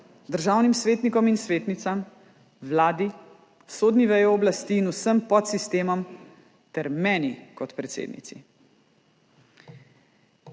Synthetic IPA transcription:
d̪əɾʒaːwnimsʋeːt̪nikɔminsʋeːt̪nit̪sam | ʋlaːd̪i | soːd̪niʋɛjɔɔblast̪iːnusəmpɔt̪sist̪eːmɔm | t̪ɛɾmɛːnikɔt̪pɾɛt̪sḛːd̪nḭt̪sḭ

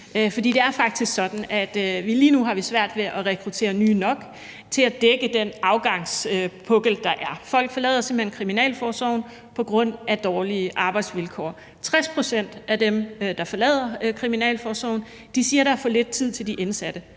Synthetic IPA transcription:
fɒ̽d̥ḭːd̥e̝æɐfɑ̈ɡ̥̚d̥isɡ̥sɒ̽d̥n̩ʔæd̥ʋiliːnuɦɑ̈ʋisʋæɐ̰d̥ʋe̝ʔɒʁɛkʰʁut͡sʰe̝̰ːɐnyːnɒ̽ɡ̥ | t͡sʰe̝læd̥eɡ̥əd̥enɑ̈ʊɡ̥ɑ̈ŋsøpʰɔɡ̥l̩d̥ɑ̈ʔæɐfɒ̽l̰ɡ̥fɒ̽lɛ̰ːðˠɐse̝mb̥̩henkʰʁiminɛ̰ːlfɒːsɒʊn | pʰɒ̽ɡ̥ʁɔ̽n̰ʔæd̥ɒːliəʔɑ̈ːb̥ɑ̈ɪd̥sʋilkʰɒ̰ː | t͡sʰʁaspʰʁo̝sen̰d̥æd̥emd̥ɑ̈fɒ̽lɛ̰ːð̰ˠɐkʰʁiminɛ̰ːlfɒːsɒʊn | d̥isiːɐɾ̥ɑfɔ̽ːle̝d̥̚t͡sʰið̰ˠt͡sʰe̝ld̥iʔensæd̥ə

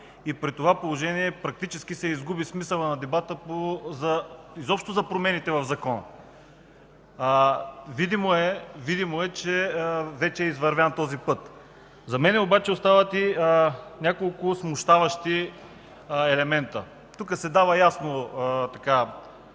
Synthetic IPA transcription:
ipɾit̪ovapolˠoʒɛniɛpɾɐk̚t̪it͡ʃɛskisɛizɡubismisɐlˠɐnɐd̪ɛbat̪əpozɐ | izɔpʃt̪ozɐpɾomɛnit̪ɛvɐvzɐkɔn | vid̪imoɛvid̪imoɛt͡ʃɛvɛt͡ʃɛːizvɐɾvant̪ɔzipɤt̪ | zɐmɛnɛobat͡ʃɛost̪avət̪i | nʲakolˠkʊsmʊʃt̪avɐʃt̪i | ɛlɛmɛnt̪ə | t̪ukəsɛd̪avɐjasnot̪ɐka

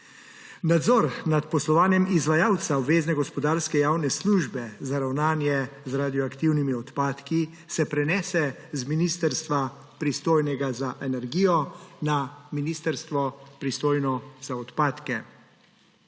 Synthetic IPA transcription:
nad̪zɔɾnat̪pɔslɔʋaːnjɛmizʋajaːwt̪saɔbʋeːznɛɡɔspɔd̪aːɾskɛjaːwnɛsluːʒbɛzaɾawnaːnjɛzɾad̪ijɔakt̪iwnimiɔt̪paːt̪ki | sɛpɾɛnɛːsɛzminist̪ɛɾst̪ʋa | pɾist̪oːjnɛɡazaʔɛnɛɾɡiːjɔnaminiːst̪ɛɾst̪ʋɔpɾist̪oːjnɔzaɔt̪paːt̪kɛ

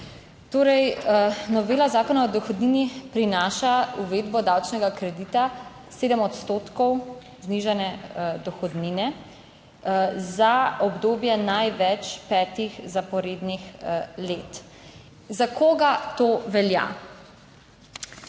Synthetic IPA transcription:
t̪oːɾɛjnɔʋeːlazaːkɔnaɔd̪ɔxɔd̪niːnipɾinaːʃauʋeːd̪bɔd̪awt͡ʃnɛɡakɾɛd̪it̪a | seːd̪əmɔt̪st̪oːt̪kɔw | zniʒanɛd̪ɔxɔd̪ninɛ | zaɔbd̪oːbjɛnajʋɛt͡ʃpɛːt̪ixzapɔɾeːd̪nixleːt̪ | zakoɡat̪oʋɛlja̰

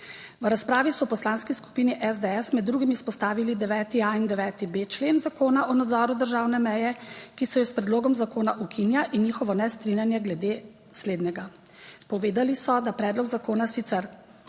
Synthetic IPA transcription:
ʋɾaspɾaːʋisɔpɔslaːnskisku̥piːniʔɛzd̪ɛɛsmɛd̪ːɾuɡimispɔst̪aːʋilid̪ɛʋɛːt̪iaind̪ɛʋɛːt̪ibet͡ʃleːnzakoːnaʔɔnad̪zɔːɾud̪əɾʒaːwnɛmɛjɛkisɛjɔspɾɛd̪loːɡɔmzakoːnaʔukinjaʔinjiːxɔʋɔnɛst̪ɾinjanjɛɡlɛd̪eː | sleːd̪nɛɡa | pɔʋeːd̪alisɔd̪apɾɛːd̪lɔɡzakoːnasit̪sɛɾ

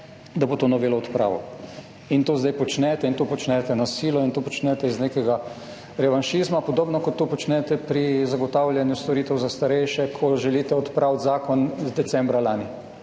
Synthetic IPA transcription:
d̪abot̪oːnɔʋelɔːt̪pɾa̰ːʋɔ̰ | int̪oːzd̪ajpɔt͡ʃnɛt̪ɛint̪opɔt͡ʃnɛt̪ɛnasiːlɔint̪oːpɔt͡ʃnɛt̪ɛiznekɛɡa | ɾɛʋanʃizmapɔd̪oːbnɔkɔt̪ːupɔt͡ʃnɛt̪ɛpɾizaɡɔt̪awljɛnjust̪ɔɾiːt̪ɛwzast̪aɾɛjʃɛkʰɔʒɛliːt̪ɛɔt̪pɾʔawt̪zaːkɔnzd̪ɛt͡ssɛmbɾalaːni

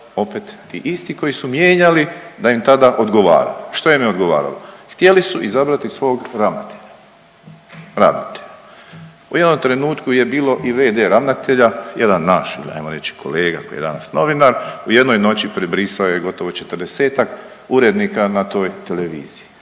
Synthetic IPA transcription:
o̞pet̪ːiʔist̪iko̞jisumje̞ːɲalid̪aimt̪ad̪aʔo̞d̪ɡo̞ʋa̰ːɾa̰ʃt̪ojemeo̞d̪ɡo̞ʋa̰ːɾa̰loxt̪jelisuʔizabɾat̪isʋo̞ːɡɾaʋnat̪eʎa | ɾa̰ʋnat̪e̥ʎa | ujed̪nomt̪ɾe̞nuːt̪kuje̞biːlo̞ʔiʋeːd̪eɾaʋnat̪eʎajed̪anːaʃia̰jmoɾet͡ʃi̥kʰo̞̰le̞ːɡa̰kojḛd̪a̰nasno̞ʋinaɾuje̞d̪no̞jno̞t͡ɕipɾebɾisaojeɡo̞t̪o̞ʋo̞t͡ʃe̞t̪əɾd̪e̞se̞ːt̪ak | uɾe̞d̪nikanat̪o̞ːjt̪e̞le̞ʋḭːz̥iji

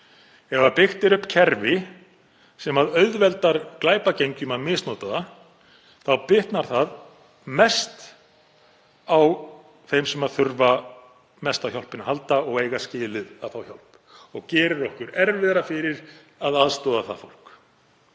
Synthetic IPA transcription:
ɛvapɪxt̪ɪɾʏhpcʰɛɾvɪ | sɛmaðœɥðvɛlt̪aɾ̥klaːjpacejɲcʏmaðmɪsnɔːt̪aða | θawpɪht̪naɾ̥θað | mɛst̪ | aw | θejmsɛmaðθʏɾva | mɛst̪awçɔlpɪnːaɦalt̪aɔɣejɣascɪːlɪðaðfawçɔl̥p | ɔɣcɛːɾɪɾɔhkʏɾɛɾvɪðɾafɪɾɪɾ | aðaðst̪ɔːðaθa̰ðfowl̥k

